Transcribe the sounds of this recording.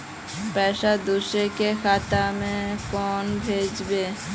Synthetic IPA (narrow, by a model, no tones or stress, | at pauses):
pɛʃad̪uʃekexʰat̪amefɔnbʱed͡ʑbe